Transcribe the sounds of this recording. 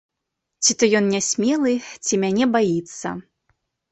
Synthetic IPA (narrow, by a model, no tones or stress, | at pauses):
t͡sʲit̪ɔjɔnnʲasʲmʲɛlˠɨt͡sʲimʲanʲɛbajit̪sːɐ̰